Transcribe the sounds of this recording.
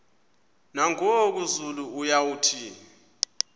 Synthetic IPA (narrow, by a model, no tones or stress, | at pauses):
naŋok̬uzuluujawutʰiːni